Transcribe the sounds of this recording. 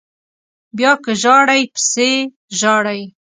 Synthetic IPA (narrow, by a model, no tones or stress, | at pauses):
bjɑkəʒɑɽajpə̥se | ʒɑɽaj